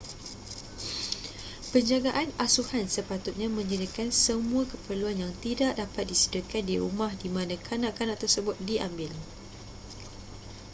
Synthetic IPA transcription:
pəɲd͡ʒaɡaʔanasuhansəpat̪ʊt̪̚ɲãmə̃ɲd͡ʒədikansəmũakəpərluanjaŋt̪idaʔdapat̪̚disidəkandiɾṵmãhdimãnãkʰanãʔkanãʔt̪ərsəbʊt̪̚diʔambɪl

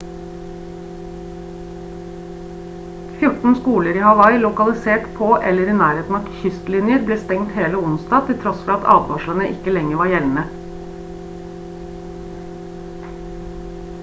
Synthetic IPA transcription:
fjʊʈn̩skuːləɾiːhɑʋɑɪlʊkɑlɪseːʈpʰoːʔɛləɾiːnæːɾheːt̪n̩ɑt̪çʏst̪lɪnjəɾbleːst̪ɛŋt̪heːləʊnst̪ɑːt̪ʰɪlt̪ʰɾɔsfɔɾɑt̪ɑ̰ːd̪ʋɑʃlənəʔɪkəlɛŋəʋɑːɾjɛln̩ə

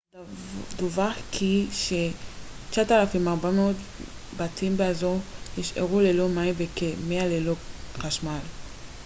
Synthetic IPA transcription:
duvaχkʰiʃet͡ʃaatalafimaʁbameot̪ | batimbeazoniʃḛʁulelo̞maimvekemealeloχaʃmal

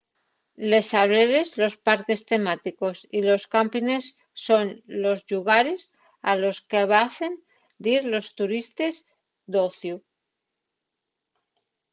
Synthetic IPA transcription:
le̞saβɾeɾezlo̞spaɾke̞st̪e̞mat̪iko̞silo̞skampine̞sː | o̞nlo̞zʎuɣaɾe̞s | alo̞skeβaθe̞n | d̪iɾlo̞st̪uɾist̪e̞z | d̪o̞θju

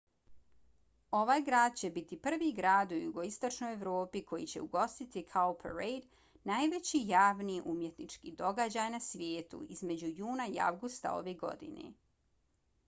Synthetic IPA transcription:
o̞ʋaːjɡɾaːd̪̚t͡ɕe̞bit̪ipr̩ʋiɡɾaːd̪ujuɡo̞ist̪o̞t͡ʃno̞jeʋɾo̞ːpiko̞jḭt͡ɕe̞uɡo̞st̪it̪ikʰalpʰeɾejd̪ | najʋe̞t͡ɕijaːʋniʔumje̞t̪nit͡ʃkid̪o̞ɡad͡ʑajnasʋjeːt̪ṵizme̞d͡ʑujuːnaia̰ʋɡust̪a̰o̞̰ʋeɡo̞̰d̪ḭnḛ

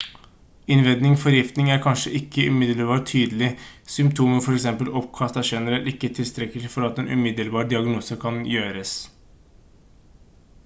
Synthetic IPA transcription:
ɪnʋɛd̪nɪŋfɔɾjɪft̪nɪŋæɾkʰɑnʂəʔɪkːəʉmɪd̪ələbɑːʈʰyːd̪əlɪsʏmp̚t̪ʰuːməfɔɾɛksɛmpəlɔpkʰɑst̪æʂɛnəɾɛlt̪ɪkːət̪ʰɪlst̪ʰɾɛkəlɪfɔɾɑt̪eːnʔʉ̰mɪd̪əlbɑːɾɖɪɑɡnuːsəkʰɑnjøːɾəs

